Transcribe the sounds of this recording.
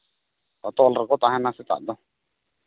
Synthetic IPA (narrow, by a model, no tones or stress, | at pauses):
tat̪ɔlrɪkɔt̪ahɛnasɪt̪a̰d̪ɔ